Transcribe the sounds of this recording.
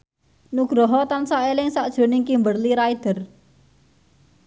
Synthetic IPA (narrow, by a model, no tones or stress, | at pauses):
nuɡ̥ɾɔɦɔt̪ansaʔelɪŋsaʔd̥ʒ̥o̤nɪŋkimbərliɾaid̪̥ə̤r